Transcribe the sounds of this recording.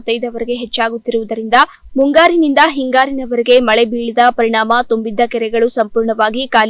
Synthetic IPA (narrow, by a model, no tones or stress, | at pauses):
t̪ːɐjd̪ɐʋɐɾeɡe̞ɦɛt͡ʃːaːɡut̪ːiɾuʋud̪ɐɾind̪ɐ | muŋɡaːɾinind̪ɐɦiŋɡaːɾinɐʋɐɾeɡe̞mɐɭebiːɭid̪ɐpɐɾiɳaːmɐt̪umbid̪ːɐkɛɾɛɡɐɭusɐmpuːɾɳɐʋaːɡikaːl